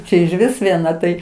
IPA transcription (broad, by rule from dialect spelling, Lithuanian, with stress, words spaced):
ˈt͡ʃʲɛ ɪʒʲˈʋʲɪs ʋʲiɛˈnɐ tɐɪ